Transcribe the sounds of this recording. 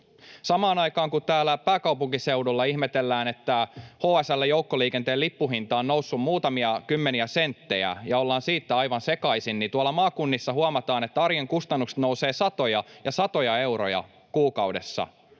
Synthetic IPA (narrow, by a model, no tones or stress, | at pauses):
sɑmɑːnɑjkɑːŋkut̪æːlːæpæːkɑwpuŋkisewdulːɑihmet̪elːæːne̞t̪ːæhoːæsælːæjowkːoliːkent̪eːlipːuɦint̪ɑːonnousːummuːt̪ɑmiɑkymːeniæsent̪ːejæ̰jɑolːɑːnsiːt̪ːæɑjʋɑnse̞kɑisinnint̪uɑlːɑmɑːkunːisːɑhuɑmɑt̪ɑːnet̪ːæɑrjeŋkust̪ɑnːukse̥t̪nouse̞ːsɑt̪o̞jɑjɑsɑt̪o̞jɑe̞wɾo̰jɑ̰ | kuːkɑude̞̰sːɑ̰